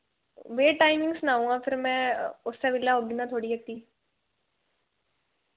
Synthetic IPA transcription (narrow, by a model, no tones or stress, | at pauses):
ʋeːʈaːɪmɪ̃ŋɡsnaːũːɡãpʰɪɾmɛ̃ʊsːeʋɪlːaɦoːɡɪ̃nd̪ãt̪ʰoːɽiɐk̚t̪iː